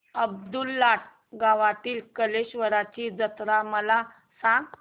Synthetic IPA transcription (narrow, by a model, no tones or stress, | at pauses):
əb̚d̪ulːaʈʰ | ɡaʋat̪iːlkəleɕʋəɾat͡ɕiːd͡zət̪ɾaməla | sãŋɡ